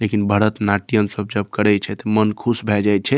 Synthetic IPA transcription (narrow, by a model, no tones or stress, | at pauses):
lekinbʱəɾət̪naʈijənsəb̚d͡ʒəb̚kəɽɛt͡ʃʰɛt̪əmənkʰusbʱɛd͡ʒajt̪̚t͡ʃʰɛ